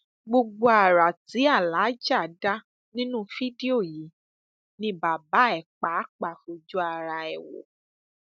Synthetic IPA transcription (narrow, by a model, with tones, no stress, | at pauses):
ɡ͡bo˧ɡ͡bo˧a˨ɾa˨ti˨˦a˦˨la˨˦d͡ʒa˦˨da˦ | nĩ˦nũ˦fi˦di˦o˦˨ji˨˦ | nĩ˦ba˨ba˨˦ɛ˦˨k͡pa˨˦k͡pa˦˨fo˧d͡ʒu˦a˧ɾa˧ɛ˨wo̰˨˦